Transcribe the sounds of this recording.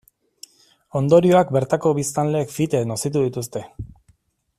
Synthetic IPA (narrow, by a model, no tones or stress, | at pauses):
o̞nd̪o̞ɾio̞akbe̞ɾt̪ako̞βist̪anle̞ːkfit̪enosit̪̬uðit̪ust̪e̞